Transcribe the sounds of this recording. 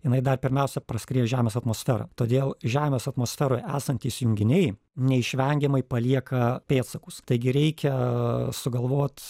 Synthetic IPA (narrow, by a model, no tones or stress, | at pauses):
jɪnɐɪd̪ɐrpʲɪɾʲmʲɛʊsʲɛpɾɐsʲkɾʲiːjʒʲæːmʲeːsɐt̪moːsʲfʲæɾɐ̰t̪oːd̪ʲeːlˠʒʲæːmʲeːsɐt̪moːsʲfʲæɾoːjæ̰ːsɐnʲt̪ʲiːsjʊŋʲɡʲɪnʲɛɪ | nʲɛɪʃʲʋʲɛŋʲɡʲɛmɐɪpɐlʲiɛkɐpʲeːt̪sɐkʊst̪ɐɪɡʲɪɾʲɛɪkʲɛsʊɡɐlˠʋoːt̪